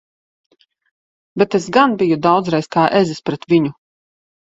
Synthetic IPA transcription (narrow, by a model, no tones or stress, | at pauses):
bʲet̪esɡanbʲijud̪awd̪zɾajskaːʔɛzispɾɛt̪vʲiɲu